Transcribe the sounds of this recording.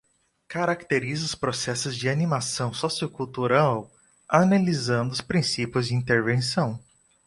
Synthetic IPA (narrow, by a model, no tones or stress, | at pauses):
kaɾakt̪eɾizɐʊspɾosɛsʊzd͡ʒɪanimasɐ̃w̃sɔsiʊkult̪uɾaw | analizɐ̃nd̪ʊspɾĩsipjʊzd͡ʒɪĩnt̪eɾvẽsɐ̃w̃